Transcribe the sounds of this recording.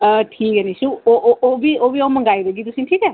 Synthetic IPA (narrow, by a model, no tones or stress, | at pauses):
tʰikenisuːbiobiawmɐŋɡajɾɯɡidusiŋtʰika